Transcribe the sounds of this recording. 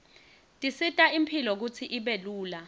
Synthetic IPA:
tʼisitʼaimpʰilɔk̬ut͡sʰiʔiɓeluːla

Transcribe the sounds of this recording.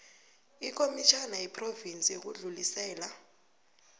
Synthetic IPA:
ik̬ʼomit͡ʃʰanajipʰʼrovint͡sʼik̬uɮulisɛːla

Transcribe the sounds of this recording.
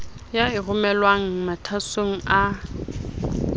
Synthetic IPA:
jaɪrʊmɛlwaŋ̩matʰasoŋ̩ʔa

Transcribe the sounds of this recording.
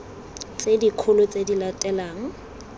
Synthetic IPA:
t͡sʼedikʰʊlʊt͡sʼedilatʼɛlaːŋ̩

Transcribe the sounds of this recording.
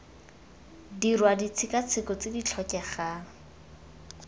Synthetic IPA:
dirwadit͡sʰɪkat͡sʰɪkɔt͡sɪdit͡ɬʰɔkʼɛχaːŋ̩

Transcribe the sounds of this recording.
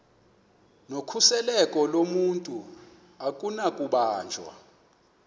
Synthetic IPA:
nokʰusɛlɛkʼɔlomuntʼu | akʼunakʼuɓaːnd͡ʒʱwa̰

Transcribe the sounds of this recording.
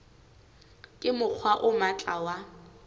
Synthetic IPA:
kʼɪmʊq͡χʰwaʔʊmat͡ɬʼawa

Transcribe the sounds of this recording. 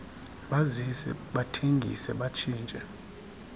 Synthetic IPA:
ɓazisɛ̰ɓatʰeŋɡʱḭsɛɓat͡ʃʰʼiːnt͡ʃʼɛ

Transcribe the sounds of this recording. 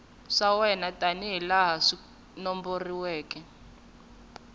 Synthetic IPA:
ʂawɛnatʼaniɦɛlaɦaʂi | nɔmboriwɛːkʼɛ

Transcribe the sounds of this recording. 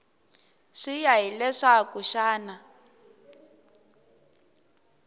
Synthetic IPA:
ʂijaɦilɛʂakuʃaːna

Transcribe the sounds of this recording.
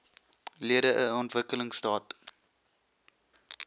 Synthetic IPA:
liəɾəʔəɔntvəkələŋstɑːt

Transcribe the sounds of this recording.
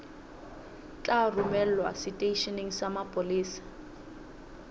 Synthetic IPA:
t͡ɬʼarumɛl̩wa̰sɪtʼeiʃɛniŋ̩samapʼʊliːsḁ

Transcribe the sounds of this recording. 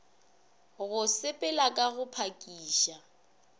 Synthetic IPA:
ɣʊsɪpʼɪlakʼaɣʊpʰakʼiːʃa

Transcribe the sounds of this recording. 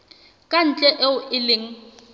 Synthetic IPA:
kʼan̩t͡ɬʼɛʔɛʊʔɪlɪŋ̩

